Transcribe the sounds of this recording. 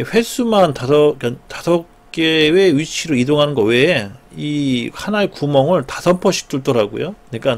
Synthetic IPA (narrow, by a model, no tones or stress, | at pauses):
ɸwe̞s͈umantaʌkatasʰʌk̚k͈eweɥit͡ɕʰiɾɯidoŋɦanɯnɡʌwe̞ihanaekumʌŋɯɭtasʰʌmpʰʌɕʰi̥k̚t͈uɭt͈ʌɾaɡo̰jokɯɲik͈an